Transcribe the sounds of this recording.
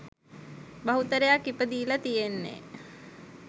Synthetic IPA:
bɐɦut̪əɾejakːipəd̪iːlat̪ijenːḛ

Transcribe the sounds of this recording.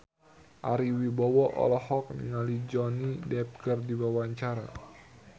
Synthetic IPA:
ʔaɾiwibawɔʔɔ̰lɔhɔk̚nḭŋalid͡ʒɔnidɛp̚ɡərdiwawaɲt͡ʃaɾa̰

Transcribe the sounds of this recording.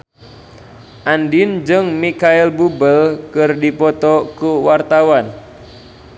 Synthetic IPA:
ʔandind͡ʒɨŋmikailbubəlkɨrdipɔt̪ɔkuwart̪awan

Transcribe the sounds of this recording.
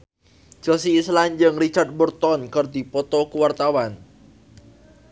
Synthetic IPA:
d͡ʒ̥osiːsland͡ʒɨŋrit͡ʃard̪̚bərt̪ɔnkərd̪i̤pɔt̪ɔkuwart̪awan

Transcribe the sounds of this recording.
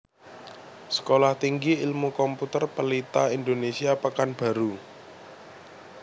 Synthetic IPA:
sə̥kolaht̪iŋɡiilmukɔmput̪ərpəlit̪aind̪onesiapəkanb̥ä̤ɾu

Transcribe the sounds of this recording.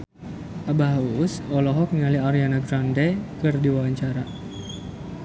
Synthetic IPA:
ʔabaɦausɔlɔɦɔk̚ŋaliaɾianaɡɾandekɨrdiwawaɲt͡ʃaɾa

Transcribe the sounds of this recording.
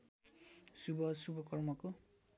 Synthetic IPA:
subʌsubʌkʌrmʌko

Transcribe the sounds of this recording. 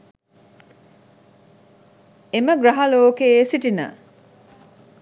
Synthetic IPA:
eməɡɾɐɦɐloːkeːsiʈinə̰

